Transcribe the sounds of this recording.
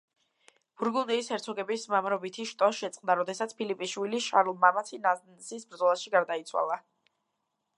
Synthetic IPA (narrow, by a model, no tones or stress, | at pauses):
b̥uɾɡund̪iːsɛɾt̪sʰɔɡɛbismamɾɔbit̪ʰiʃt̪ʼɔʃɛt̪sʼqʼmnd̪aɾɔd̪ɛsat̪sʰpʰilipʼiʃwiliʃaɾulˠmamatsʰinaznsisbɾd̪zɔlˠasʃiɡaɾd̪ait̪sʰwa̰lˠa